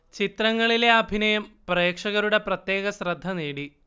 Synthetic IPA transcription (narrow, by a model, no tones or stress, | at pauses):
t͡ɕit̪rɐŋːɐɭileɐbʱinɐjɐmpreːkʂɐɣɐɾuɽe̞prɐt̪je̞ːɣɐsrɐd̪ʱːɐneːɽi